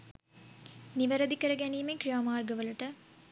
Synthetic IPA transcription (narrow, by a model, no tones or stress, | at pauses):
niʋɐɾɐd̪ikɐɾɐɡɛniːmekɾijaːmaːɾɡɐʋɐlɐʈɐ